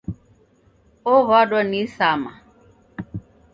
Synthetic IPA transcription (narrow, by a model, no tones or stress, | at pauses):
ɔβadɔnisama̰